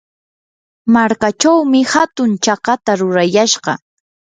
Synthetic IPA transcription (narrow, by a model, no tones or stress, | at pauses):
maɾkat͡ʃawmɪhat̪ʊnt͡ʃɑqɑt̪aɾʊɾajaʃɢɑ̰